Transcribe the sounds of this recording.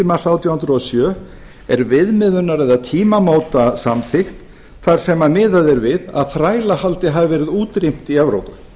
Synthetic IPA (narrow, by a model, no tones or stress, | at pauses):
ɪmaθawt̪ʰjawhʏnɾɔsjœː | ɛɾvɪðmɪðʏnːaɾɛðat̪ʰiːmamaːwt̪asamθɪxt̪ | θaɾ̥sɛmamɪːðaðɛɾvɪða̰ðθɾaːjlahalt̪ɪɦavɪvɛːɾɪðuːt̪ɾijm̥t̪iɛvɾo̰wpʏ